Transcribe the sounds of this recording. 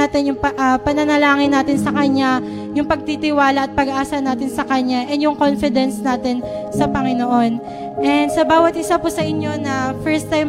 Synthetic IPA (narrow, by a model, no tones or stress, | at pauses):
at̪ɪnjʊŋʔɐpɐnɐnɐlaːŋɪnːaːt̪ɪnsɐkɐɲːa | jʊŋpɐɡ̚t̪it̪ɪwaːlɐʔːt̪̚pɐɡɐʔaːsɐnaːt̪ɪnsɐkɐɲːaʔɛnjʊŋkonfɪd̪ɛnsnaːt̪ɪnsɐpɐŋɪnoʔo̞n | ʔɛnd̪sɐbaːwɐt̪ʔɪsapusɐʔɪɲjo̞nɐfɛɹst̪ːajm